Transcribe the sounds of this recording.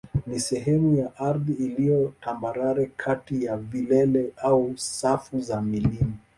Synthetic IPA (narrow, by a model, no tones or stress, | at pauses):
nisɛɦɛmujaʔaɾðiːlijɔtambaɾaɾɛkʰatijavilɛlɛausafuzamilimi